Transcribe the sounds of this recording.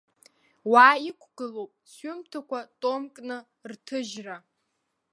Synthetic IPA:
waːikʷʰɡ̥ɨlowpʼsɥʏmtʰakʷʰatʼomkʼnɨ | rtʰɨʒra

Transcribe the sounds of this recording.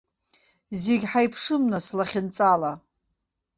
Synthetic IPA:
zeɡʲħajpʰʂɨmnaslaχʲɪnt͡sʼala

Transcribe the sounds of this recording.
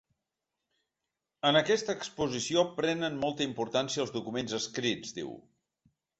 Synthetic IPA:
ənəkɛst̪əːkspuzisiopɾɛnənmɔlˠt̪əimpuɾt̪ansiəlˠzðukumenzəskɾid͡zd̪ḭw

